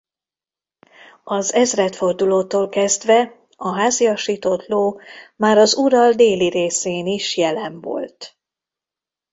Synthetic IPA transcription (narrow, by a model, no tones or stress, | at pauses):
ɒzɛzrɛt̪fo̞rd̪uloːt̪oːlkɛzd̪ʋɛ | ɒɦaːziɒʃiːt̪ot̪loːmaːɾɒzuɾɒld̪eːliɾeːseːniʃjɛlɛɱvo̰lt̪